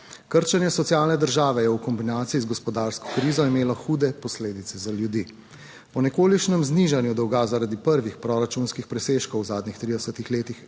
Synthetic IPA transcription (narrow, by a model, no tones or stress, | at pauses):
kəɾt͡ʃanjɛsɔt̪sijaːlnɛd̪əɾʒaːʋɛjɛwkɔmbinaːt̪iizɡɔspɔd̪aːɾskɔ̥kɾiːzɔimeːlɔxuːd̪ɛpɔsleːd̪it̪sɛzaljud̪iː | pɔnɛkoːliʃnɛmzniːʒanjud̪ɔwɡaːzaɾad̪ipəɾʋixpɾɔɾat͡ʃunskixpɾɛseːʃkɔwzaːd̪nixt̪ɾiːd̪ɛsət̪ixleːt̪ix